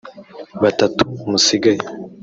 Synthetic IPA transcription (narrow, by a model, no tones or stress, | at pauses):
βatatumusiɡaje